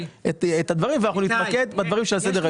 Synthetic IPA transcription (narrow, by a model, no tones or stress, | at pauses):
etet̪ad̪vaʁimveanaχnunit̪maked̪bad̪vaʁimʃelased̪eʁa